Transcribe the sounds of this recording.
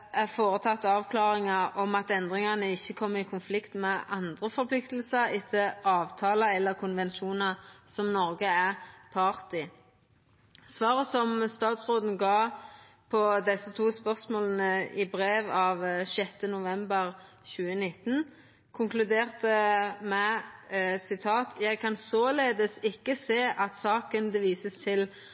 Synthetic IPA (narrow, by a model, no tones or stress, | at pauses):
æʁfoːʁət̪ʰɑt̪ːɑːʋkʰlɑːʁɪŋɑɔmɑt̪ɛnd̪ʁɪŋɑnəɪçːəkʰɔmːəɪkʰʊnflɪkt̪mɛɑnd̪ʁəfɔɾpʰlɪkt̪l̩səɾɪt̪ʰəɑːʋt̪ʰɑːləɛlːəʁkʰʊnʋɛnʃuːnɑsɔmnɔʁɡəæʁpʰɑʁt̪ɪ | sʋɑːʁəsɔmst̪ɑːt̪sʁoːd̪n̩ɡɑː | pʰɔd̪ɛsət̪ʰuːspœʁsmoːlənəɪbɾeːʋɑʋʃɛt̪ːənʊʋɛmbəʁ | çʉːənɪt̪ːn | kʰʊŋklʉd̪eːʁt̪əmæ | sɪt̪ʰɑːt̪ʰjæɪɡkʰɑnsoːleːd̪əsɪkːəseːʔɑt̪sɑːkənd̪əʋiːsəst̪ʰɪl